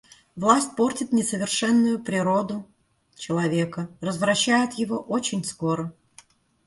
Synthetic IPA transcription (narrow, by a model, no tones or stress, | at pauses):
vlˠasʲtʲpo̞rtʲɪt̪nʲɪsəvʲɪrʂɛnːʊjʊpɾʲɪɾo̞d̪ʊ | t͡ɕɪlˠɐvʲe̞kərəzvɾɐɕːæjɪt̪jɪvo̞ʔot͡ɕɪnʲsko̞ɾə